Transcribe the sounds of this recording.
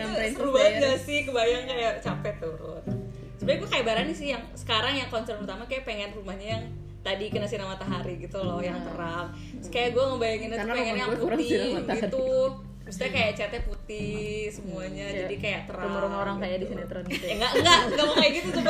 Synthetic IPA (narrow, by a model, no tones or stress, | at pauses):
ɾubaɦad͡ʒasɪhkəbajaŋkajaʔt͡ʃapɛt̪ːuɾʊ̰t̪̚ | səbaɲaɡuakajaʔbaɾanisɪhjaŋsə̥kaɾaŋjaŋklɔɲt͡ʃɔrpərt̪amakajaʔpeŋɛnrumahɲajaŋ | t̪adikənasinamat̪aɦaɾiɡit̪ulɔhjaŋt̪əɾap̚ | skajaʔɡuaməmbajaŋinət̪peŋɛnjaŋpuimɡit̪u | mist̪iakajat͡ʃɛt̪ɛput̪ɪhsəmuaɲajd͡ʒadikajaʔt̪əɾamɾaŋoɾaŋkajadisinat̪ɾɔnŋɡaʔŋɡaʔɡamakajaɡit̪usuda